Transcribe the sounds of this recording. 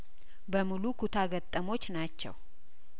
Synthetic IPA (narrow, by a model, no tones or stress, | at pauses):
bəmulukʰut̪ʰaɡət̪ʼːəmo̞t͡ʃːnat͡ʃːɛ̰w